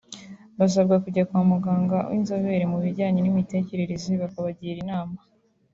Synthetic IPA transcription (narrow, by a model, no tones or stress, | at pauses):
βas̬ab̚ɡakuɟakwamuɡaːŋɡawʔḭnzoβe̞ɾemuβiɾɟaːɲenimite̞ːce̞ɾe̞ɾe̞ziβakaβaɟiɾinaːma